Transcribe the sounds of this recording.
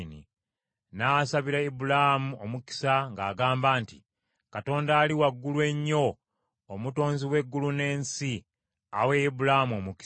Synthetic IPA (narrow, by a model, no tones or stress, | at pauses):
nḭ | nasaβiɾaibulamuomuki̥saŋɡaːɡaːmbaːnti | kato̞ːndaːliwaɡːulwe̞ɲːo̞ː | muto̞ːnziwe̞ɡːulune̞ːnsi | aweibulaamo̞muki̥